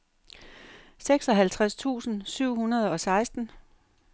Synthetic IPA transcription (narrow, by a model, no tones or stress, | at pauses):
seɡ̥sɒ̽ɦælt͡sʰʁast͡sʰṵːsn̩syʊ̰hunɐð̞ˠɒ̽sɑ̈ɪsd̥n̩